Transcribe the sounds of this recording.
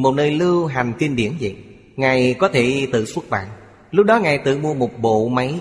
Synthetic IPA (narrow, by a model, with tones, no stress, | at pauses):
mo˨˩t̚nəː˧jlɨ˧wɦa˨˩ŋ̟t̪i˧nɓi˧˩ənzḭ˧˨ | ŋaː˨˩jkɔ˨˦t̪ʰe˧˩t̪ɨ̰˧˨su˦˥ək̚ɓa̰ː˧˨n | lʊ˦˥k͡p̚ɗɔ˨˦ŋaː˨˩jt̪ɨ̰˧˨mu˧əmo˨˩t̚ɓo̰˧˨ma˨˦j